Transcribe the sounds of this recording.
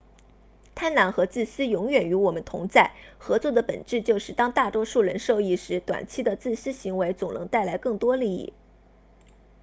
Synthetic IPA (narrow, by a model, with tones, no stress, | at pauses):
t̪ʰa˥nla˧˥nxɤ˧˥t͡sɹ̩˥˩sɹ̩˥jʊ˧˥ŋɥɛ˨˩ny˧˥wɔ˨˩mə˦nt̪ʰʊ̰˧˥ŋt͡sa˥˩ɪxɤ˧˥t͡swɔ˥˩d̪ə˩pə̰˨˩nʈ͡ʂɻ̩˥˧t͡ɕjo˥˧ʊʂɻ̩˥˩t̪ɑ˥ŋt̪a˥˩t̪wɔ˥ʂu˥˩ɻə˧˥nʂo˥˧ʊi˥˩ʂɻ̩˧˥t̪wa̰˨˩nt͡ɕʰi˥˩d̪ə˨t͡sɹ̩˥˩sɹ̩˥ɕi˧˥ŋwe˧˥ɪt͡sʊ˨˩ŋnɤ˧˥ŋt̪a˥˩ɪla˧˥ɪkɤ˥˩ŋt̪wɔ˥li˥˧ḭ˥˩